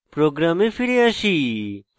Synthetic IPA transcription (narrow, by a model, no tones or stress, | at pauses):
pɾoːɡɾamefʰiɾeaʃi